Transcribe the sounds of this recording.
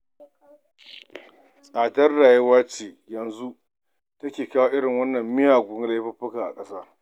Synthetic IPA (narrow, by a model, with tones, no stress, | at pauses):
aː˨tɐ˦rɽaː˨jɐ˦waː˦t͡ʃeː˨ | jɐ˨nzu˦ʔ | tɐ˦kʲeː˨kaː˦waː˦ʔɪ˦ɽɪ˨ŋwɐ˦nːɐ˨mːɪ˦jaː˨ɡʷʊ˨˦ŋ˦la˦jɸɐ˦ɸɪ˦kaː˨ʔa̰˨kʼɐ˦saː˦